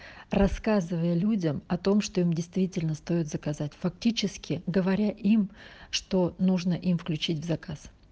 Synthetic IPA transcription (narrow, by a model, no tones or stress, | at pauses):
rɐskazɨvəjəlʲudʲəmɐt̪o̞mʂt̪o̞imdʲɪjst̪vʲitʲɪlʲnəst̪o̞jɪt̪zəkɐzatʲfɐk̚tʲit͡ɕɪskʲɪɡəvɐɾʲaʔimʂt̪o̞nuʐnəʔimfklʲʉt͡ɕitʲvzɐkas